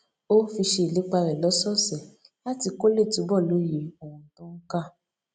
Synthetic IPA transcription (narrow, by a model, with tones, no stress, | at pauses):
o˦fi˧ʃe˧i˨le˨˦k͡pa˧ɾɛ˨lɔ˨˦sɔ˦˨sɛ˨ | la˦ti˧ko˦le˦˨tu˨˦bɔ˦˨lo˨˦je˨˦o˨ũ˧˨tɔ̃˦ŋ̩˦ka˦˨